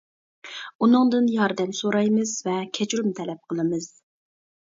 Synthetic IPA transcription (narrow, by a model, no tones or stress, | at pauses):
unɨŋd̪ɨnjɑɾd̪ɛmsoɾɑjmɨzvɛkʲʰɛt͡ʃɾumt̪ʰɛlɛp̚qʰəlˠɨmɨz̥